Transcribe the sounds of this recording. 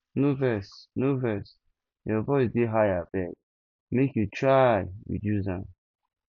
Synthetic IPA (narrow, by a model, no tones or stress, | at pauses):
novɛsnovɛs | jɔvɔɪsdeɦajabɛɡ̚ | mekjutɹajjṵd͡ʒuzã